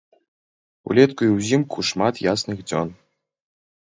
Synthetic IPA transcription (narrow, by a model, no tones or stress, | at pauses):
ṵlʲet̪kujwzʲimkʰuʂmat̪jasnɨxd͡zʲo̰n